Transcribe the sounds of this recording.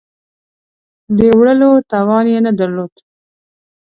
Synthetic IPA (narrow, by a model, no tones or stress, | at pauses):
d̪əwɽəlot̪ɑwɑnjenad̪aɾlod̪